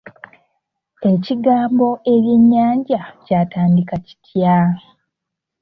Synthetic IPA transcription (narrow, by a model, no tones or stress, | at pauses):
e̞ciɡaːmbo̞e̞βje̞ɲːaːɲɟacaːtaːndikaci̥tʰja